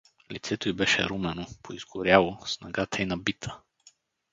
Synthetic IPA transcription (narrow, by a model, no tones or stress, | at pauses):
lit̪sɛt̪oibɛʃɛ̰ɾumɛnopʰoiz̥ɡʊɾjalˠosnaɡat̪ʰɐinɐbit̪ʰə̥